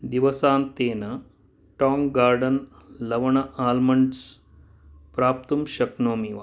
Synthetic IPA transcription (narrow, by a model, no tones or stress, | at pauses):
d̪iʋɐsaːnt̪eːnɐ | ʈaːŋɡaːɾɖɐnlɐʋɐɳɐʔaːlmɐɳɖs | pɾaːp̚t̪umʃɐknoːmiʋa̰